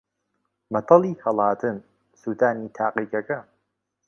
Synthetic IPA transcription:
mɐt̪ʰɑlˠiːhɐlˠaːt̪ʰɨm | suːt̪aːniːt̪ʰaːqiːkɐkɐ

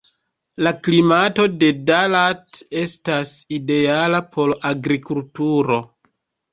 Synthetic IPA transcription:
laklimato̞de̞dalate̞staside̞alapʰo̞laɡɾikultuɾo̞

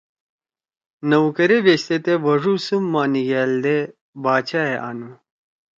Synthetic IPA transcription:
nɐwkɐɾeʋeɕt̪et̪eʋɐʐusumːaːniɡeːld̪e | baːt͡ɕʰaeʔa̰ːnu

